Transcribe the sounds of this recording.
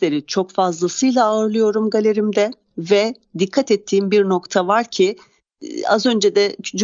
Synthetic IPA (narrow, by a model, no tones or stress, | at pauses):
lʲe̞ɾit͡ʃʰo̞kfazlˠasɯjlˠaːɯɾlˠɯjo̞ɾumɡalʲe̞ɾimd̪ɛ | vɛ | d̪ikʰːat̪ɛt̪ʰːiːmbiɾno̞kt̪ʰavaɾcʰi | a̰zø̞nd͡ʒɛd̪ɛt͡ʃʰyt͡ʃ